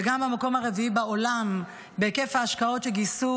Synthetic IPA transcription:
eɡamhamako̞mhaʁeviibao̞lam | bekefhaːʃkao̞tʃeɡisu

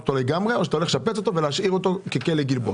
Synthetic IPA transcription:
ot̪oleɡamʁeoʃat̪aole̞ʃapet͡so̞t̪oveleaʃʔiʁo̞t̪okekeleɡilbo̰

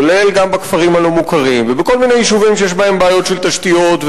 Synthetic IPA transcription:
le̞lɡambakfaʁimhalo̞mukaʁimvebeko̞lmine̞jiʃuvimʃejeʃbae̞mbaːjo̞t̪ʃelt̪aʃt̪ijo̞t̪v

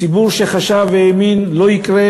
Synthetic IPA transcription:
ibuɾʃeχaʃavːeeminlo̞ikʁe

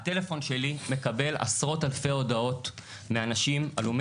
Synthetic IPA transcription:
hate̞le̞fo̞nʃe̞lime̞kabe̞la̰sʁo̞talfeo̞dao̞t | meanaʃima̰lum

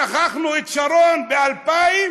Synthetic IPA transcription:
aχaχnuet̪ʃaɾonbealpaim

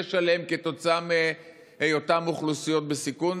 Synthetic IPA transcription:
eʃale̞mke̞t̪o̞t͡saame | ejotamuχlusijo̞t̪̚besikun

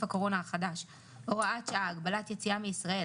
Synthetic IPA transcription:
fako̞ʁo̞naaχad̪aʃ | loʁaat͡ʃaaːɡbalat̪jet͡siameisʁae

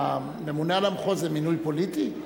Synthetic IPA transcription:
nemunalamχozeminujpo̞lit̪i

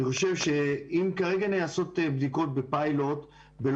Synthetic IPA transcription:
iχo̞ʃe̞vʃeimkaʁeɡanejaso̞t̪ebd̪iko̞t̚bepaijlo̞t̪ | bel

